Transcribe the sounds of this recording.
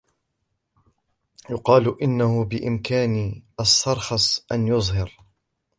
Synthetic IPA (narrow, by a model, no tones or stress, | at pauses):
jʊqɑːlʔɪnːahʊbɪʔɪmkaːnʔɑsˤːɑɾˤxɑsˤʔanjʊzˤhɑɾ